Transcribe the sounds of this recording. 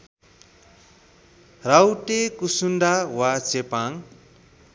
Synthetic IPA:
rawʈekusunɖawat͡sepaŋ

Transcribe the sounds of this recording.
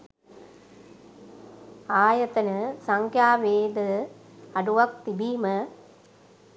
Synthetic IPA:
aːjɐt̪ɐnɐsɐŋkjaːʋeːd̪əɐɖuʋɐk̚t̪ibiːmɐ

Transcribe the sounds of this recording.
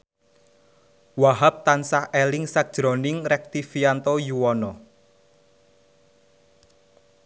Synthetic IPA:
waɦap̚t̪ansahʔelɪŋsak̚d̥ʒ̥ɾɔ̤nɪŋrɛk̚t̪ifiant̪ojuwɔnɔ

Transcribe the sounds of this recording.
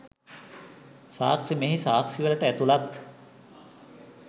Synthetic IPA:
saːksimeɦisaːksiʋələʈəæt̪ulat̪

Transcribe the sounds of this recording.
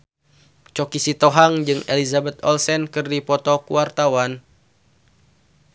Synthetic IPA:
t͡ʃɔkisit̪ɔɦaŋd͡ʒɨŋelizabɛt̪̚ɔlsɛnkɨrdipɔt̪ɔkuwart̪awan

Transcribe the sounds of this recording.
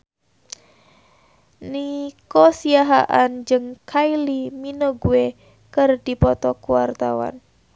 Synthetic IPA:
nikɔsiaɦaʔand͡ʒɨŋkʰailiminoɡue | kɨrdipɔt̪ɔkuwart̪awa̰n

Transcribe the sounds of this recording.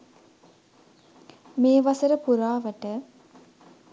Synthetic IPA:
meːʋasəɾəpuɾaːʋəʈə

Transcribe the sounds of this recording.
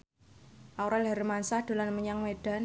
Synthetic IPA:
ʔawɾɛlɦaɾmansahd̪̥o̤lanməɲaŋmeɖ̥a̤n

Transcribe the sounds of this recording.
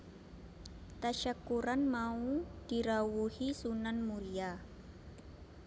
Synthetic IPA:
t̪aʃakuɾanmaud̥i̤ɾawuhisunanmuɾia

